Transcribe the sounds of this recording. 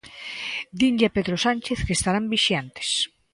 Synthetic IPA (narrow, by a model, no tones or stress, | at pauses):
d̪iɲɟjapeðɾosanʲt͡ʃeθkest̪aɾambiʃjant̪e̥s